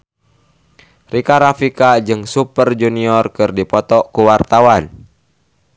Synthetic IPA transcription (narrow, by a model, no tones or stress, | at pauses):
rikaɾafikad͡ʒɨŋsupərd͡ʒuniɔrkɨrdipɔt̪ɔkuwart̪awan